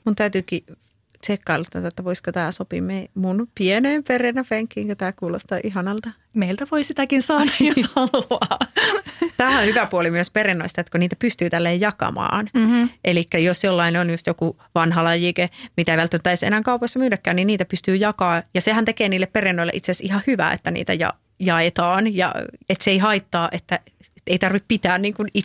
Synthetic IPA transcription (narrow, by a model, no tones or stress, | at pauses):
munt̪æyt̪yːki | t̪ekːɑlːɑt̪ːɑ̰t̪ɑet̪ːæʋoiskot̪æːsopḭmeimunpieneːmperenæpeŋkːiːŋkot̪æːkuːlost̪ɑːʔihɑnɑlt̪ɑ | meilt̪æʋoisit̪ækinsɑːnɑjjosɑlɑː | t̪æːhæõhyʋæpuolimyøsperenːoist̪ɑet̪koniːt̪æpyst̪yːt̪ælːeːjjɑkɑ̰mɑ̰ːnʔelikːæjosjolːɑineonjust̪joku | ʋɑnɦɑlɑjikemit̪æʋælt̪ːænt̪ːˑæisḛnæŋkɑupɑsːɑmyːdækːæːnniniːt̪æpyst̪yːjɑkɑːjɑsehænt̪ekeːniːlːepperenːoilḛʔit̪seæsihɑhyʋæ̰ːḛt̪ːænḭːt̪æ̰jɑ̰ | jɑet̪ɑːnjɑ̰et̪seeiɦɑit̪ːɑːʔet̪ːæ | eit̪ɑrʋippit̪æːnniːŋkuni